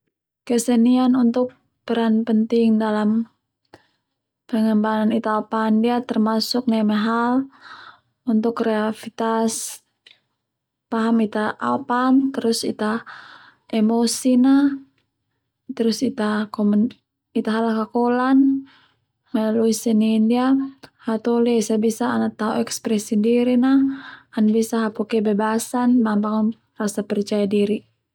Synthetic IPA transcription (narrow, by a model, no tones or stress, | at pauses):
kəsənianunt̪ʊk̚ | b̥əɾanpənt̪ɪŋdalam | b̥əŋənbananit̪aapandiat̪ərmasʊk̚namɛɦal | unt̪ʊkreafit̪as | paɦamit̪aʔapant̪əɾʊsit̪a | ʔemosinah | t̪əɾʊsit̪akɔmn | it̪aɦalakakɔlan | maluisɛniːndiahat̪ɔliaisabisaːnat̪auɛkspɾɛsindiɾinaanbisaɦapɔkɛbɛbasanbambaŋn | rasapɛrt͡ʃajadiɾi